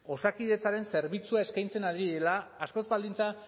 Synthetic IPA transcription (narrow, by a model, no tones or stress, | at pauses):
o̞sakiðe̞t͡saɾe̞nse̞ɾβit͡suae̞skajnt͡se̞naðiðelaːsko̞zbald̪int͡sa